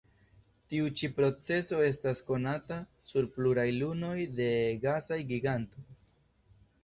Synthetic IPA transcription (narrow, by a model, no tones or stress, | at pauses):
tiut͡ʃipɾo̞t͡se̞so̞e̞stasko̞nata | suɾpluɾajluno̞jde̞ɡasajɡiɡanto̞j